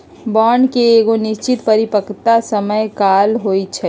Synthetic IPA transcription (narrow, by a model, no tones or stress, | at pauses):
bɔːɳɖkeːɡonɪʃt͡ʃɪt̪pəɾipəkt̪asəməjkaːlɦoːit͡ʃʰɛ